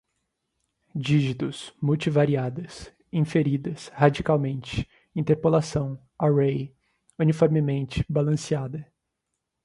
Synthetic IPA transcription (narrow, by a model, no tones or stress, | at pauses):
d͡ʒiʒit̪ʊsmuwt͡ʃivaɾiad̪ɐs | ĩfeɾid̪ɐshad͡ʒikawmẽnt͡ʃɪ̥ | ĩnt̪eɾpolasɐ̃w̃ | awej | unifɔɾmɪmẽnt͡ʃɪ̥balɐ̃siad̪ɐ